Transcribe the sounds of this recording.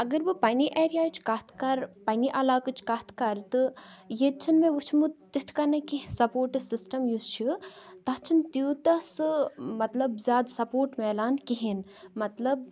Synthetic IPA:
ɐɡɐɾbɨpɐniʔeːɾijaːt͡ʃʰkɐt̪ʰkɐɾpɐniʔɐlaːkɨt͡ʃʰkɐt̪ʰkɐɾt̪ɨjet͡ʃʰinmẽʋut͡ʃʰmut̪it̪ʰkɐnɐkisɐpoːɾʈɨsisʈɐmjust͡ʃʰit̪ɐt͡ʃʰint̪iwt̪ɐsɨmɐt̪lɐbzʲjaːd̪sɐpoːɾʈmɛːlaːnkiɦinmɐt̪lɐb̚

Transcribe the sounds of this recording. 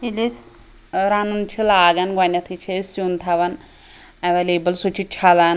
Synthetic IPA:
ilis | ɾanunt͡ʃʰilaːɡɐnɡʋɐnʲɐt̪ʰit͡ʃʰisjunt̪ʰɐʋɐn | ɐʋeleːbɐlsut͡ʃʰit͡ʃʰalan

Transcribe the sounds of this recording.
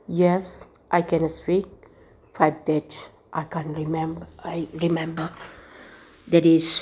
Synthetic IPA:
jɛs | ʔajkɛ̃nspik̚ | fajb̚d̪ɛt | ʔajkãnɹimɛ̃mbajɹimɛ̃mbə | d̪ɛɾis

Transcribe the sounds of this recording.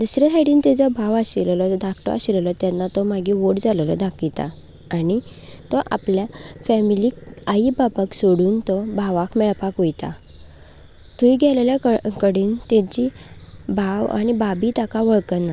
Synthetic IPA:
d̪usɾet̪ʰaɽiːnt̪ɛd͡zɔbʱaʋaɕillɔd̪akʰt̪ɔ̰a̰ɕillɔt̪janːat̪ɔmaɡiʋoʈd͡zallɔd̪ʱakit̪a̰ː | ɽ̃i | t̪ɔʔa̰pljafɛmiliːkaibapaksoɽuːnt̪ɔbʱaʋakmɛɭpakʋojt̪a̰ | t̪uiɡɛleljakəkəɽiːnt̪et͡ɕibʱaʋa̰ɽ̃ibabiːt̪akaʋɔɭkənːa

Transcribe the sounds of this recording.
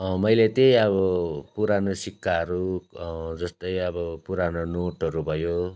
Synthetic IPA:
mʌjlet̪ejʌbʌpuɾanosikʰːaɦʌɾu | d͡zʌst̪ʌjʌbʌpuɾanonoʈɦʌɾubʱʌjo

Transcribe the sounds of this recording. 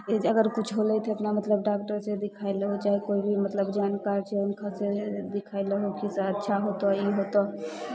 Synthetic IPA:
d͡ʒəɡəɾkut͡ʃʰɦolɛt̪ʰeəpnamət̪ləbɖak̚ʈəɾsed̪ikʰaejləɦot͡ʃaɦikoibʱimət̪ləbd͡ʒankaɾt͡ʃʰɛunkʰased̪ikʰajləɦokiseətːʃʰaɦot̪ɔiɦot̪ɔ

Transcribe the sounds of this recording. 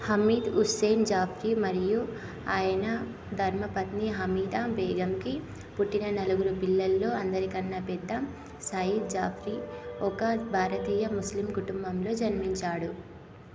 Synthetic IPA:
hɐmiːd̪useːnd͡ʒaːpʰɾimɐɾiju | aːjɐnɐ | d̪ʱɐɾmɐpɐt̪niɦɐmiːd̪aːbɛːɡɐmki | puʈːinɐnɐluɡuɾupilːɐlːo̞ːɐnd̪ɐɾikɐnːɐpɛd̪ːɐm | sɐjid̪̚d͡ʒaːpʰɾiɔkɐbʱaːɾɐt̪iːjɐmuslimkuʈumbɐmlo̞ːd͡ʒɐnmiɲt͡ʃaːɽu

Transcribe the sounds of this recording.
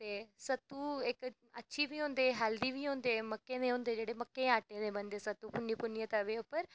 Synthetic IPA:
t̪eːsət̪ːuːɪk | ətːʃʰiːbʱiːɦõːnd̪eːɦaːld̪iːbiːɦõːnd̪eːməkːenẽɦõːnd̪eːd͡ʒeːɽeməkːeãːʈeːnẽːbə̃nd̪eːsət̪uːpʊniːpʊnːijə̃t̪əʋeːʊpːəɾ

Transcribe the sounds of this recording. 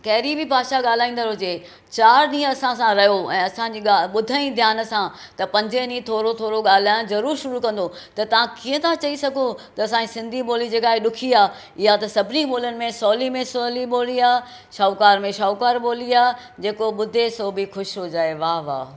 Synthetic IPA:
kɐɦɪɾibʱɪbʱaːʃaɠaːl̤aːĩːn̆d̪əɾɦʊd͡ʑeː | t͡ɕaːɾɗĩːə̃ɐsãsãɾɐjoɛ̃ːɐsãɲd͡ʑiːaɓʊd̪ʱaĩd̪ʱjaːnə̆sãt̪ɐpɐ̃ɲd͡ʑenĩt̪ʰoːɾot̪ʰoːɾoɠaːl̤aːj̃õzɐɾuːɾʃʊɾukɐ̃nd̪o | t̪ɐt̪ɐʋ̤ãkiːə̃t̪ʰat͡ɕɐisɐɡʱot̪ɐɐsãd͡ʑisɪ̃nd̪ʱiɓoːlid͡ʑeːkaːɦeɗʊkʰiaː | ɪɦat̪ɐsɐbʱɪniɓoːlənɪ̆mẽsɔːlimẽsɔːliɓoːliaː | ʃɔːkaːɾmẽʃɔːkaːɾɓoːliaː | d͡ʑeːkoɓʊd̪ʱesoːbʱixʊʃɦod͡ʑaːeʋaːʋa̰ː

